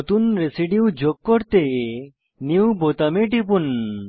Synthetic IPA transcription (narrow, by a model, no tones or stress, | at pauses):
t̪unɾesiɖiud͡ʒok̚ːɔɾt̪e | niwbot̪ɐmeʈipun